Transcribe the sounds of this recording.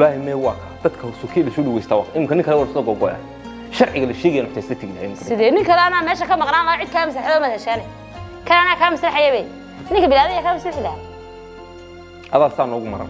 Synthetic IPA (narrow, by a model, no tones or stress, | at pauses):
ɪlaːhɪmɛwɑːkʰad̪ɐd̪kʰɐsɔkʰilɐsuɗɐwɛjst̪ʰaːwɑːʔɪmɪŋkʰɐnɪŋkʰɐlɛwalsɔɡɔɡɔɛ̰ | ʃɐɾʕɪɣɐlɐʃeːɣɛjanʊħt̪ʰɛsɐt̪ʰɪɡlhɛɪmɪkɐsɪðɛːnɪŋkʰɐlanamɛːʃɐkʰɐmɑqnaːnlaʕɪd̪̚kʰaɐms̬lɐħaðɔːmɐðɛʃɛnɛ | kʰɐlaːnaːkʰaːmɐslɐħajɐβɛj | nɪŋkʰɐbɪlaːðɐjakʰamɐslɪħlɐ | hɐðaːlsaːnɔːɣʊmɐɾɐ̰n